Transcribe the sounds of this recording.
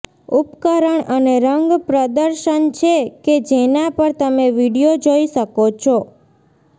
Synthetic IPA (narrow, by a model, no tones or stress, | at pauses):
upkəɾəɳəneɾəŋɡpɾəd̪əɾʃənt͡ʃʰeked͡ʒenapəɾt̪əmeʋiɽijod͡ʒoiʃəkot͡ʃʰo